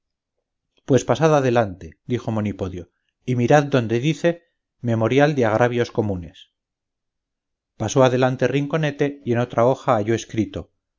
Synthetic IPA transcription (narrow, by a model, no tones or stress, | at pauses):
pwe̞spasaðaðe̞lant̪e̞d̪ixo̞mo̞nipo̞ðjo̞ | imiɾaðd̪o̞nd̪e̞ðiθe̞ | me̞mo̞ɾjald̪eaɣ̞ɾʔaβjo̞sko̞mune̞s | pasoaðe̞lant̪eriŋko̞ne̞t̪e̞je̞no̞t̪ɾao̞xaːʝo̞e̞skɾit̪o̞